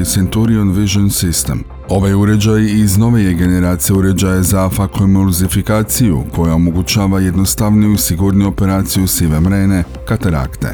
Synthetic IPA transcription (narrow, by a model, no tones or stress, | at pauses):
sent̪uɾionʋiʒonsist̪e̞̰m | o̞ʋajuɾe̞d͡ʑajizno̞ʋejeɡe̞ne̞ɾaːt̪sijeuɾe̞d͡ʑajazafakomoɾzifikaːt̪sijṵkʰo̞jao̞mo̞ɡut͡ɕaːʋaje̞d̪nost̪aʋnijuisiɡuɾnijuo̞pe̞ɾaːt̪sijusiʋemɾeːne̞ | kat̪aɾa̰kt̪ḛ